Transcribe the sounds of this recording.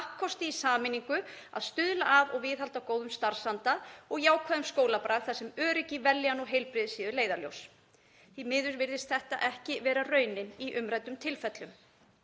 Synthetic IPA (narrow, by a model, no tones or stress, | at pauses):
hkʰːɔst̪ɪisaːmɪniŋkʏa̰ðst̪ʏðlaʔavɔɣvɪːðɦalt̪awkoːwðʏmst̪aɾ̥sant̪aðɔɣjaːwkʰvaːðʏmskoːwlapɾaːðθasɛmœːɾɪcɪvɛljanɔɣɦejlpɾɪðsiːðʏleːjðaljo̰ws | θimɪːðʏɾvɪɾðɪst̪θɛht̪a̰ʔɛhcɪvɛːɾarœːɥnɪniʔʏmɾajt̪ʏmt̪ʰɪlfɛt̪lʏm